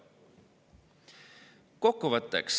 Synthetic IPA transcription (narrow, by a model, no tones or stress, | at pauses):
kokːuvət̪ːeks